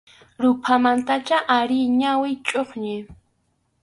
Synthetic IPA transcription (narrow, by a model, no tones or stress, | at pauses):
ɾʊpʰamant̪at͡ʃaʔaɾɪjɲawɪt͡ʃʼoχɲɪ